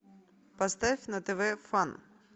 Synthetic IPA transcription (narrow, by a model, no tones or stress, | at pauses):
pɐst̪afʲnɐt̪eʋɛfan